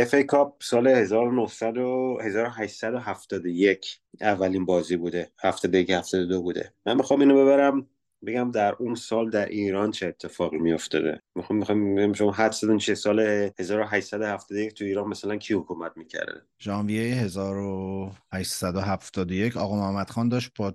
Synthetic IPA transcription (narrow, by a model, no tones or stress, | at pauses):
efejkʰɒb̚sɒːlehe̞zɒːɾonohsæd̪ohe̞zɒːɾo̞ɦæʃsæd̪o̞ɦæft̪ɒːd̪oje̞cʰ | ævːæliːnbɒːziːbuːd̪ehæft̪ʰɒːd̪ojecehæfsæd̪od̪obuːd̪ḛmænmixɒːmiːnobe̞βæɾæm | be̞ɟæmd̪æɾunsɒːld̪æɾʔiːɾɒnt͡ʃʰeːt̪ʰːe̞fɒːɣimijo̞ft̪ɒ̰ːd̪ḛmixɒmːixɒjmeæmʃomɦæd̪sed̪unt͡ʃʰisɒːlehe̞zɒːɾo̞ɦæʃsæd̪ohæft̪ɒːd̪ojec̚ʰt̪ʰuiːɾɒːnmæsælæncʰiːhokʰumæt̪̚miːcʰæ̰ɾd̪ḛ | d͡ʒɒːnvijejeɦe̞zɒːɾohæʃsæd̪oɦæft̪ɒːd̪oje̞cʰɒ̰ːɣɒːmohæmːæd̪xɒːnd̪ɒːʃt̪̚b̥ɒ